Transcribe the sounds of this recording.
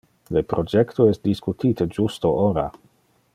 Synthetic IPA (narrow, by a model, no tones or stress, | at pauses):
lepɾod͡ʒektoɛst̚diskutʰitəd͡ʒustoʔoɾa̰